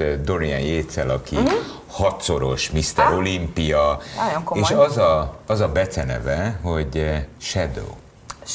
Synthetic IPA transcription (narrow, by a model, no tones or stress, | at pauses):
d̪o̞ɾiɛnjeːt̪sɛlɒki | hɒt̪so̞ɾo̞ʃmist̪ɛɾo̞limpijɒjoeːʃɒzɒɒzɒbɛt̪sɛnɛ̰vɛɦo̞ɟʃɛd̪o̰ː